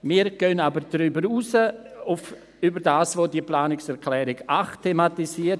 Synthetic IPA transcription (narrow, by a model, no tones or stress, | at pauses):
miːɾɡ̥ønabəɾdɾybəɾuːsəʊf | ybəɾdaːsvoːdiplaːnɪksɛɾklɛːɾɪɡaχtʰematisiət